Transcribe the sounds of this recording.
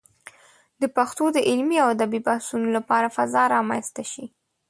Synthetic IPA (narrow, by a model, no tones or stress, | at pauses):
d̪əpaxt̪od̪əʔɪlmiawad̪abibahsunolapɑɾafazɑɾɑmanst̪aʃi